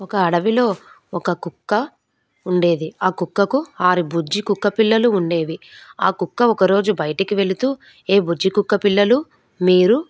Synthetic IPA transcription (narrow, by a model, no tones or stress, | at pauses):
ɔkɐːɽɐʋilo̞ː | ɔkɐkukːɐ | uɳɖe̞ːd̪iaːkukːɐkuaːɾibud͡ʒikukːɐpilːɐluːɳɖe̞ːʋiaːkukːɐɔkɐɾo̞ːd͡ʒubɐjɐʈɐkiʋe̞lit̪uː | e̞ːbud͡ʒikukːɐpilːɐlu | miːɾu